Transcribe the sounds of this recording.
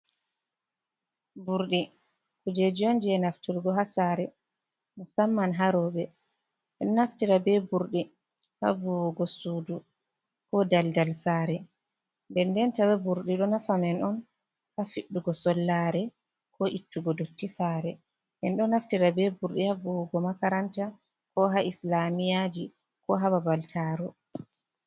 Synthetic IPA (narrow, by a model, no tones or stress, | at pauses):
buɾɗi | kud͡ʒed͡ʒiɔnd͡ʒɛnaftiɾɡɔɦasaɾɛ | nɔsamːanɦaɾɔbɛ | ɛɗɔnaftiɾabɛbuɾɗi | ha̰vuwɡɔsudu | kɔdaldalsaːɾɛ | ndɛndɛntawɛbuɾɗiɗɔnafamɛnɔn | hafiɗːuɡɔsɔlːaɾɛ | kɔʔitːuɡɔdotːisaɾɛ | ʔɛnɗɔnaftiɾabɛbuɾɗihavuwuɡɔmakaɾanta | kɔɦaʔislamijad͡ʒi | kɔɦababaltʰaːɾɔ